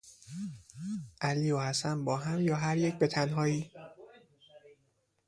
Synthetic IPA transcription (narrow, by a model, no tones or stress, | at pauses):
ʔæliːohæsæmbɒːɦæmjɒːɦæɾjec̚ʰbe̞t̪ʰænɦɒːiː